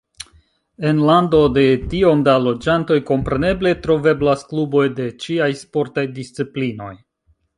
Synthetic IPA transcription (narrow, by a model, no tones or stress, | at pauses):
e̞nlando̞de̞tio̞mdalo̞d͡ʒanto̞jko̞mpɾe̞ne̞ble̞tɾo̞ve̞blasklubo̞jde̞t͡ʃiajspo̞ɾtajdist͡siplino̞̰j